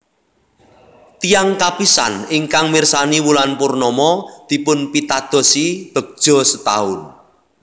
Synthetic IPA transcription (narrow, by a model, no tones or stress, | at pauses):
t̪ijaŋkapisa̰niŋkaŋmirsaniwulanpʊrnɔmɔd̪̥i̤pʊnpit̪ad̪̥ɔ̤sib̪̥ə̤k̚d̥ʒ̥ɔ̤sət̪a̰ʊn